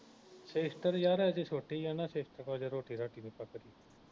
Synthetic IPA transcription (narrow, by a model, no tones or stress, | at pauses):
seːsʈəɾjaɾad͡ʑesoːʈijanaseːsʈəɾkad͡ʑeɾoːʈʰiːɾaːʈinikakəɾiː